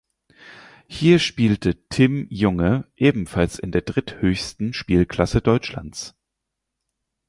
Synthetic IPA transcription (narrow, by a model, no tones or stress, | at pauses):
hiːɐʃpiːltʰətʰɪmjʊŋəʔeːbm̩falsɪndeːɐdʁɪthøːçstn̩ʃpiːlkʰl̥asədɔʏt͡ʃla̰nt͡s